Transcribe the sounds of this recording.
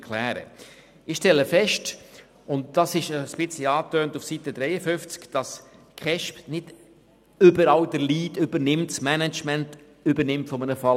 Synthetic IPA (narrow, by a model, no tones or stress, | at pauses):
kʰlæːɾə̰ | ɪχʃtɛləfɛʃt | ʊntd̥ɑsɪʃəsb̥ɪt͡sliɑːtøːntufsitədɾɛɪəfʏft͡skd̥ɑs | kχɛʃpnɪd | ʏbəɾɑldəliːdʏbəɾnɪmtsmænɛt͡ʃmænt | ʏbəɾnɪmtfɔmənəfɑ